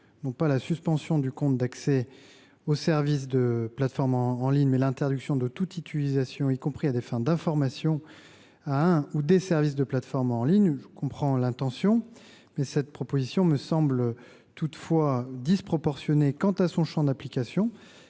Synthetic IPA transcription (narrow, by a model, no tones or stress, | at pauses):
nɔ̃palasyspɑ̃sjɔ̃d̪ykɔ̃t̪̚d̪aksɛ | osɛʁvis̬d̪əplat̪fɔʁmɑ̃ːliɲmɛlɛ̃t̪ɛʁd̪yksjɔ̃d̪ət̪ut̪it̪ylizasjɔ̃ikɔ̃pχiad̪efɛ̃d̪ɛ̃fɔʁmasjɔ̃ | aɛ̃ud̪esɛʁvis̬d̪əplat̪fɔʁmɑ̃liɲʒəkɔ̃pχɑ̃lɛ̃t̪ɑ̃sjɔ̃ | mɛsɛt̪̚pχɔpozisjɔ̃məsɑ̃bl | t̪ut̪fwad̪ispχɔpɔʁsjɔnekɑ̃t̪asɔ̃ʃɑ̃d̪aplikasjɔ̃